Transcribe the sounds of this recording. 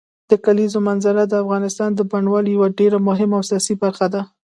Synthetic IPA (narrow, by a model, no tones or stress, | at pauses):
d̪̥əkalizomanzaɾad̪əafɣɑnɪst̪ɑnd̪əbaɳwɑljawaɖeɾamʊɦɪmaːwsjɑsibaɾxad̪a